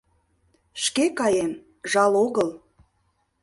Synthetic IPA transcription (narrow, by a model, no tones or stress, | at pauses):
ʃkekɑjem | ʒɑloɣəlˠ